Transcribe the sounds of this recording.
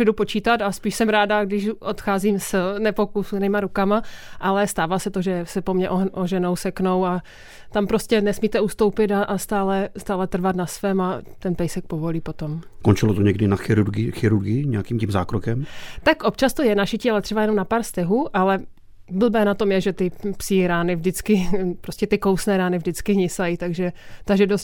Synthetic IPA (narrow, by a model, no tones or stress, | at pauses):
ɛdupot͡ʃiːt̪at̪aspiːʃsɛmɾaːdaɡdɪʃʔot̪xaːziːmsnɛpo̞kusujɛnɪmaɾukamaʔalɛst̪aːvaːsɛt̪oʒɛsɛpo̞mɲɛʔoʔoʒɛnowsɛkno̞wa | t̪ampɾo̞scɛnɛsmiːt̪ɛuːst̪o̞wpɪt̪aʔast̪aːlɛst̪aːlɛt̪r̩vat̪nasvɛːmat̪ɛnpɛjsɛk̚povo̞liːpo̞t̪o̞mskont͡ʃɪlot̪oɲɛɡdɪnaxɪɾuɾɡɪxɪɾuɾɡɪɪɲɛakiːmcimza̰ːkɾokɛmt̪akʔo̞p̚t͡ʃast̪o̞jɛnaʃɪcialɛt̪r̥ɛbajɛnomnapaːɾst̪ɛɦuːʔalɛ | bl̩bɛːnat̪o̞mjɛʒɛt̪ɪpsɪɾaːnɪvdɪt͡skɪpɾoscɛt̪ɪkowsnɛːɾaːnɪvdɪt͡skɪɦɲɪsajit̪aɡʒɛt̪aʒɛdost